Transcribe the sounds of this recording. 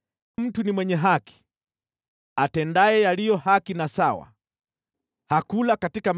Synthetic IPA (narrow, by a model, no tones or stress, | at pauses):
m̩tunimwɛɲɛɦaki̥ | atɛndaɛjalijɔhakinasawa̰ | hakulakatikam